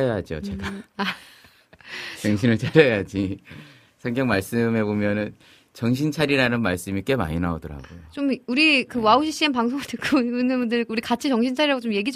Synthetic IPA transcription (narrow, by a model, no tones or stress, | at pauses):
jad͡ʑio̰t͡ɕe̞ɡaa | t͡ɕʌŋɕʰinɯɭt͡ɕaɾejad͡ʑi | sʰʌŋɡjʌŋmaɭs͈ɯme̞bomjʌnɯn | t͡ɕʌŋɕ̬ʰint͡ɕʰaɾiɾanɯnmaɭs͈ɯmik͈e̞ma̰ɲinaodʌɾa̰ɡojot͡ɕomuɾikɯwauɕ̬ʰiɕ͈ianpaŋsʰoŋɯɭtɯk͈ʰuunɯnbundɯɭuɾikat͡ɕʰit͡ɕʌŋɕʰint͡ɕʰaɾiɾaɡot͡ɕomje̞ɡid͡ʑ